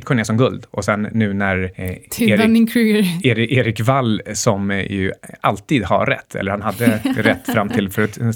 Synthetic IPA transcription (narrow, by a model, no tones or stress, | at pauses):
t̪kʰɔneːsɔmɡɵld̪ʔɔsɛnːʉ̟ːnæɾʰeːɾɪŋkʰɾʉːɡəeːɾɪʔeːɾɪkvalːsɔmjɵ̰alt̪iːd̪ha̰ɾɛ̰t̪ʰːɛ̰lːəɾhanɦad̪ːəɾɛt̪ːfɾamt̪ʰɪlfœɾat̪